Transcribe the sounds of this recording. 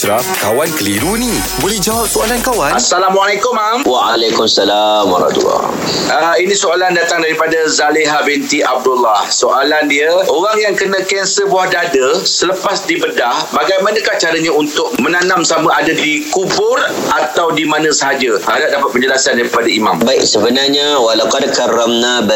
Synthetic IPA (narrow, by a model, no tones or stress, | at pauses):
sɾafkawankəliɾunĩ | bolɛhd͡ʒawap̚soalankawanasalamwalakʊmamwaʔa̰lakʊmasalamwa̰ɾa̰t̪ṵlːɔ̰ | əinĩsoalandat̪aŋdaɾipadazalɪɦabɛnt̪iʔab̚dʊlːahsoʔalandiaʔoɣaŋjaŋkənə̃kɛnsəbuahdadəsələpasdibədahbaɡajmanə̃kaht͡ʃaɾəɲaunt̪ʊk̚mənanamsamə̃adadikubʊrat̪awdimanə̃səɦad͡ʒəʔadaʔdapat̪̚pəɲd͡ʒəlasandaɾipadaimã̰mbaɪksəbənarɲawalawkadkaɾəmnabə